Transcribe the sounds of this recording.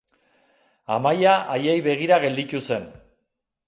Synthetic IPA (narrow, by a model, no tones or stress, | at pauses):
a̰majaʔajejβe̞ɣ̞iɾaɣ̞e̞ld̪it̪use̞n